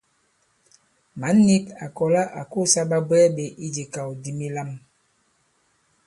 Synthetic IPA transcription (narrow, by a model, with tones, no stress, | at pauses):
ma˨˦nːi˦ka˨kɔ˨la˦ʔa˨ko˦˨sa˦ɓa˦bwɛ˦ɓe˨ʔi˦d͡ʒe˨ka˨wdi˦mi˦la˦m